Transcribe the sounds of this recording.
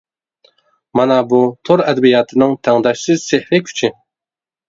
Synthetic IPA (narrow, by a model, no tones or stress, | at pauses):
mɑnɑbut̪ʰoɾɛd̪ɛbijɑːt̪ʰɨnɪŋt̪ʰɛŋd̪ɑʃsɪzsehɾɪkʲʰy̥t͡ʃʰɪ